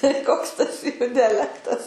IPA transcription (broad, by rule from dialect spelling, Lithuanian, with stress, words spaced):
tɐɪ ˈkoːks tɐs ˈjuː dʲɛˈlʲæːktɐs